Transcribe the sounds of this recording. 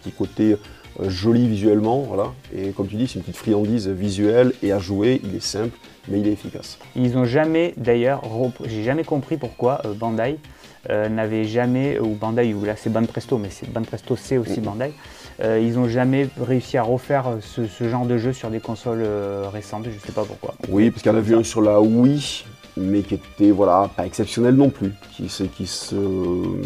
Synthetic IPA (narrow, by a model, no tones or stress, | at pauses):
ppə̥t̪ikot̪e | øʒɔlivizɥɛlmɑ̃vwa̰laekɔmt̪yd̪isɛynpət̪it̪fχijɑ̃d̪izvizɥɛleaʒueilɛsɛ̃pl | mɛilɛt̪efika̰s | ilzɔ̃ʒamɛd̪ajœʁːəpʒeʒamɛkɔ̃pχipuʁkwaʔøbɑ̃d̪aj | ønavɛʒamɛubɑ̃d̪ajulasɛbɔ̃npχɛst̪omɛsɛbɔ̃npχɛst̪osɛosibɑ̃d̪aj | øilzɔ̃ʒamɛʁeysiaʁəfɛʁøsəsəʒɑ̃ʁd̪əʒøsyʁd̪ekɔ̃sɔløʁesɑ̃t̪ʒəsɛpapṵʁkwa̰wipaʁskɛlavyɛ̃syʁlawi | mɛkʲet̪ɛvwalapaɛksɛpsjɔnɛlnɔ̃plykʲisəkʲisə